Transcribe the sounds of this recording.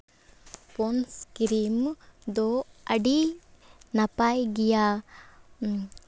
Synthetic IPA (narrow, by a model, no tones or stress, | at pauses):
ponskiɾimd̪oɐɖi | nɐpajɡija